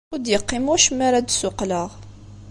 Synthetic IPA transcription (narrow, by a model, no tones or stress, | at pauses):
ud̪jəqːimuʃəmːaɾad̪sʊqləʁ